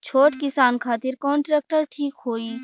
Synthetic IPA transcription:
t͡ʃʰoːʈkɪsaːnkʰaːt̪ɪɾkɔːnʈɾɛːk̚ʈəɾʈʰiːkɦoːiː

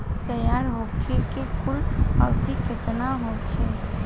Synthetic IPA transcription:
t̪əjaːɾɦokʰekekʊla̰t̪iket̪naɦokʰe

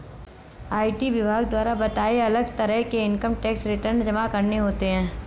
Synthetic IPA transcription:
aːiʈiʋɪbʱaːɡd̪waːɾabɐt̪aːeɐləɡt̪ɐɾəɦkeɪŋkəmʈɛːksɾɪʈəɾnd͡ʒɐmakɐɾneɦoːt̪eɦɛ̃ː

